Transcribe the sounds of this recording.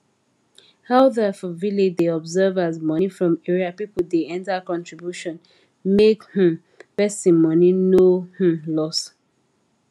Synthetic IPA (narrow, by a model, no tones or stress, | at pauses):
haʊðafɔviled͡ʒdeɔbzɛvazmɔnifɹɔ̃mɛɹiapipədeɛ̃ntakɔ̃ntɹibjuʃɔ̃n | mekh̩ | pɛstĩmɔninoh̩lɔs